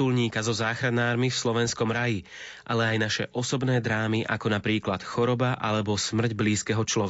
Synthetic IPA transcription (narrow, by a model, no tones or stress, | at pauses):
ulɲiːkazɔzaːxɾanaːɾmifslɔʋɛnskɔmɾaji | ʔalɛajnaʃɛ̰ʔɔsɔbnɛːd̪ɾaːmiʔa̰kɔnapɾiːklat̪xɔɾɔbaʔalɛbɔsmr̩ɟbliːskɛɦɔt͡ʃlɔ